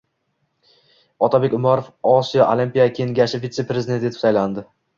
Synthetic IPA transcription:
ɒt̪ʰabe̞kʲʊmɒɾofɒsijɒʔolimpʲijakʲʰe̞ŋɡʲaʃɪvit̪se̞pɾezɪd̪ent̪ʲɡʲet̪ʰʊ̥sajland̪ɪ

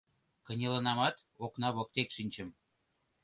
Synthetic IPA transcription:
kə̆nʲelɤ̆nɑmɑt̪oknɑβɤ̆k̚t̪ekʃinʲt͡ɕə̆m

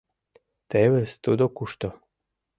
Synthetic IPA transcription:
t̪eβest̪ud̪okuʃt̪o

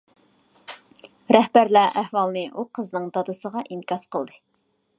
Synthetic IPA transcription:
ɾæhbæɾlæʔæhwɑlˠnɨʔuqʰəznɨŋd̪ɑd̪ɨsəʁɑʔinkɑsqəlˠd̪ɨ

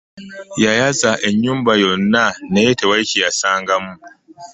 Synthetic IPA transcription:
jajasaːʔɛɲjʊmbajɔnːanajetewajkʲijasaːŋɡamu

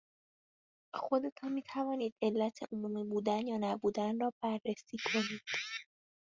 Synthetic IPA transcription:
xo̞d̪e̞t̪ʰɒnmiːt̪ʰævɒːniːd̪e̞lːæt̪ʰḛʔomuːmiːbuːd̪ænjɒːnæbuːd̪ænrɒːbærːesiːkʰo̞niːd̪̥

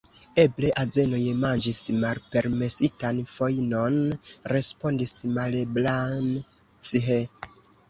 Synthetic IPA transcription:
e̞ble̞ʔaze̞no̞jmand͡ʒismalpe̞ɾme̞sitanfo̞jno̞nɾe̞spo̞ndismaleblan | t͡siɦe

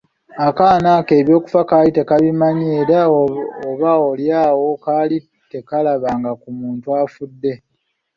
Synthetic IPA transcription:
akaːnaːke̞ːβjo̞ːku̥fakaːlite̞kaβimaɲeːɾaoβaoljaːwo̞kaːli | te̞kalaβaːŋɡakumuːntuaːfudːe̞

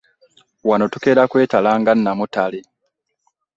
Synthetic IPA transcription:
wano̞tuke̞ːɾakwe̞ːtalaːŋɡanːamutale

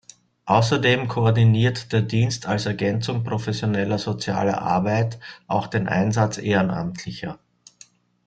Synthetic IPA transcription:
ʔaʊsɐdeːmkʰoɔɐdiniːɐtd̥eːɐdiːnstʰalsɛɐɡɛnt͡sʊŋpʁ̥ofɛsjonɛlɐzot͡sja̰ːlɐ̰ʔa̰ɐbaɪtʔaʊxd̥eːnʔa̰ɪnzat͡sʔeːʁəna̰mtʰlɪçɐ̰

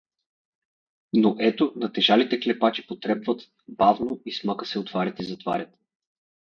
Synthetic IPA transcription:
noʔɛt̪onɐt̪ɛʒalit̪ɛklɛpat͡ʃipot̪ɾɛpvət̪ | bavnoismakə̥sɛot̪vaɾʲət̪izɐt̪va̰ɾʲət̪

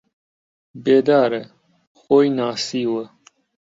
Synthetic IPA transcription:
beːd̪aːɾe | xoːjnaːsiːwə

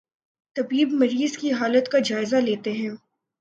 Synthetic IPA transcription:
t̪ɐbiːbmɐɾiːzkiɦaːlət̪kad͡ʒaːɪzaleːt̪eɦɛ̃ː

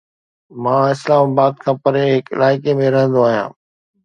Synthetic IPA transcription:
mãːɪslaːmaːbaːd̪̚kʰãːpɐɾeɦɪkɪ̰lʔaːɪkemẽɾɐɦə̃nd̪oaːɦijã̰ː

